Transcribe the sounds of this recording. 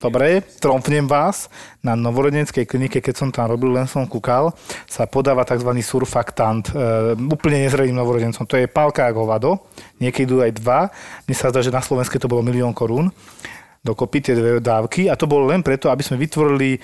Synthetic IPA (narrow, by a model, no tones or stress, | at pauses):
d̪̥ɔbɾɛt̪ɾɔmfɲɛmʋaːsnanɔʋɔɾɔɟɛɲɛt͡skɛjklinikɛkɛcsɔmt̪amɾɔbillɛnsɔmkukalsapɔd̪aːʋat̪aɡzʋaniːsuɾfakt̪ant̪uːpl̩ɲɛɲɛzɾɛliːmnɔʋɔɾɔɟɛnt͡sɔmt̪ɔjɛpalkaːɡɦɔʋad̪ɔɲɪɛkɛid̪uːajd̪ʋamɲɛsazd̪aːʒɛnaslɔʋɛnskɛt̪ɔbɔlɔmiliɔːŋkɔɾuːn | d̪ɔkɔpit̪ɪɛd̪ʋɛd̪aːʊkiat̪ɔbɔlɔlɛnpɾɛt̪ɔabiz̥mɛʋit̪ʋɔɾili